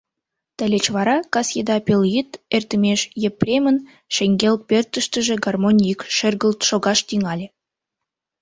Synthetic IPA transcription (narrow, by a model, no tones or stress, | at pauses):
t̪əlʲet͡ɕβɑɾɑkɑsjed̪ɑpʲelʲjit̪ert̪əmʲeʃjepːrʲemən | ʃeŋʲɡʲel̚pʲert̪ə̆ʃt̪ə̆ʒĕɡɑrmonʲikʃerɣə̆lt̪ʃoɣɑʃt̪iŋɑlʲĕ